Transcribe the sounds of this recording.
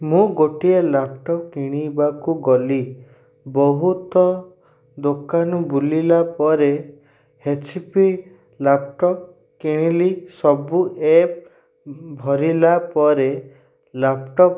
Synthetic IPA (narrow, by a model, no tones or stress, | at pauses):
mũɡoʈielapʈɔpkiɽ̃ibakuɡɔli | bɔɦut̪ɔ | d̪okanɔbulilapɔɾe | het͡ʃpi | lapʈɔp̚ | kiɽ̃ilisɔbuʔep̚ | bʱɔɾilapɔɾe | lapʈɔp